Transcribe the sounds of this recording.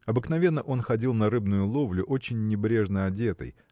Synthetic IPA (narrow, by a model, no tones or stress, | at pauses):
ɐbɨknɐvʲe̞nːəʔo̞nxɐdʲilˠnɐɾɨbnʊjʊlˠovlʲʊʔo̞t͡ɕɪnʲːɪbɾʲe̞ʐnəɐdʲe̞t̪ə̰j